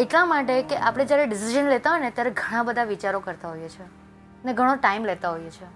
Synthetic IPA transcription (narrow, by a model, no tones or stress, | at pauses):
eʈlãmaʈekeʔapɽ̃ed͡ʒjaɾeɖɪsiʒənlet̪aɦojnet̪jaɾeɡʱəɽ̃ãbəd̪ʱaʋit͡ʃaɾokəɾt̪aɦojet͡ʃʰe | əneɡʱəɽ̃oʈaimlet̪aɦojet͡ʃʰe